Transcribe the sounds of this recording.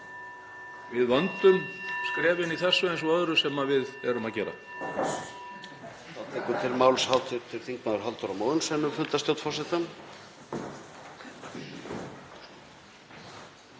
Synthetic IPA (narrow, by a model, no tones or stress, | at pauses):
vɪðvant̪ʏmskɾɛːvɪniθɛsːʏɛnsɔœðɾʏsɛmavɪðɛɾʏmaðcɛːɾa̰ | fawt̪iŋkʏt̪ʰɪlmaːwlshawt̪ʏɾt̪ʰɪlθiŋknaðʏɾ̥ɦalt̪ʏɾawmaːwðʏnsɛnːʏfʏnt̪ast̪jowt̪fɔr̥sɛt̪am